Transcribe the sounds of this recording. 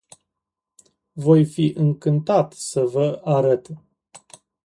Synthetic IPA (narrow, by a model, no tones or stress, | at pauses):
vo̞jfiʔɨŋkɨnt̪at̪səvəaɾət̪